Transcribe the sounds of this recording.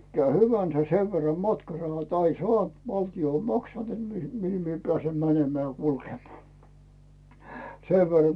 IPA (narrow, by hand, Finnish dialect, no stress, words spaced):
ikːæː hyʋænsæ seʋ ʋerːɑ mɑtkɑrɑhɑt ɑin soɑˑnt ʋɑltio m mɑksɑnt net mihi pĕæˑsem mænemeæˑ jɑ kulkemŏɑː seʋ ʋerːɑ